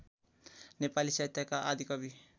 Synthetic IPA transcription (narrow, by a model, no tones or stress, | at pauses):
nepalisajt̪akaʔad̪ikabi